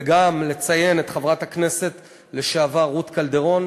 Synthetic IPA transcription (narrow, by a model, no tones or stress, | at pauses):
ɡamle̞t͡saje̞net̪χavʁathakne̞se̞t | le̞ʃaːvaʁut̪kald̪e̞ʁo̞n